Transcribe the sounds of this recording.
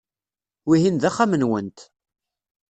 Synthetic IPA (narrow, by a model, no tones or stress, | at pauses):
wiɦinðæχːamənwənt̪